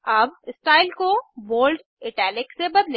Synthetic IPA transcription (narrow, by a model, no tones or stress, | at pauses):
aːbɪsʈaːɪlkoʋoːlɖ | ɪʈɛːlɪksebɐd̪le